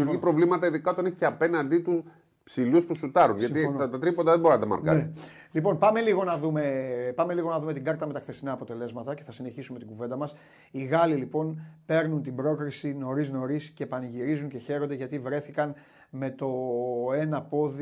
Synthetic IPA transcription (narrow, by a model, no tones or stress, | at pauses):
uɾʝipɾo̞vlimɐt̪ɐiðikɐot̪oneçceɐpe̞nɐnd̪it̪us | psiluspusut̪ɐɾunʝɐt̪it̪ɐt̪ɾipond̪ɐðeboɾinɐt̪ɐmɐ̰ɾkɐ̰ne | lipo̞npɐme̞liɣo̞nɐðume̞pɐme̞liɣo̞nɐðume̞t̪iɡɐɾt̪ɐmet̪ɐkθe̞sinɐːpo̞t̪e̞le̞zmɐt̪ɐce̞θɐsine̞çisume̞t̪iŋɡuve̞nd̪ɐmɐs | iɣɐlilipo̞npe̞ɾnunt̪ibɾo̞kɾisino̞ɾizno̞ɾiscepɐniʝiɾizuɲce̞çe̞ɾo̞nd̪e̞ʝɐt̪ivɾe̞θikɐn | me̞t̪o̞e̞nɐpo̞ði